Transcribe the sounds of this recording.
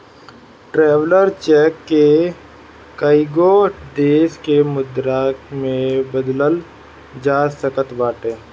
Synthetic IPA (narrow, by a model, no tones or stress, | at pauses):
ʈɾɛːʋləɾt͡ʃɛːkːe | kaiɪɡod̪eːskemʊd̪ɾaːkmẽbəd̪ləl | d͡ʒaːsəkət̪baːʈeː